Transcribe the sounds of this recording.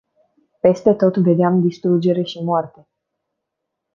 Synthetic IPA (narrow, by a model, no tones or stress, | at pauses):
pe̞st̪e̞t̪o̞t̪ve̞d̪eamd̪ist̪ɾud͡ʒe̞ɾe̞ʃimoart̪e̞